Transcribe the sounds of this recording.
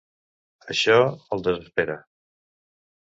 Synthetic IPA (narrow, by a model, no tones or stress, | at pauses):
əʃɔəlˠd̪əzəspeɾə